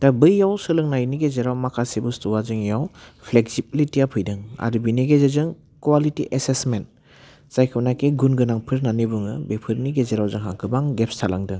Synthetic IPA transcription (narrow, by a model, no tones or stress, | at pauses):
dabɯjːawsɯlɯŋnajniɡezeɾawmakʰasibustuwazɯŋjawpʰleksibilitiapʰɯjdɯŋa̰ɾubineɡezezɯŋ | kwalitiʔesesment̚ | sajkʰɯnakeɡunɡɯnaŋpʰɯɾnanibuŋɯ̰bepʰɯɾniɡezeɾawzɯŋɦaŋkʰɯbaŋɡep̚stʰalaŋdɯŋ